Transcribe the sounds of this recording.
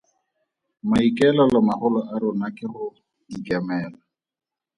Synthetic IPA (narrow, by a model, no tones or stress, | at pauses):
maikʼɛlɔlamaχʊlɔʔaɾʊnakɪrʊ | dikʼɛmɛːla